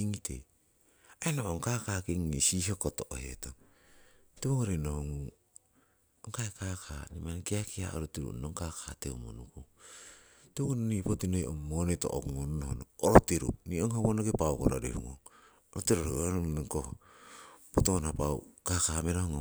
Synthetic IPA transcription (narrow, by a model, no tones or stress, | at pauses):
iŋitʰḛ | aenoʔoŋkakaːkeŋnisiɦokotoʔo̰heto | teβoŋoɾenohoŋu | oŋkaekakʰanimankiakia̰o̰ɾotiɾṵnoŋkakaːteumo̰nuko | teoŋononipotinojʔo̰mːoneto̰ʔo̰kumonunohonooɾotiɾṵnioŋhoβonokepawkoɾaɾḛhṵŋo̰ŋ | oɾotiɾoɾoononniŋkoh | potoonapaw̰kakameɾohoŋo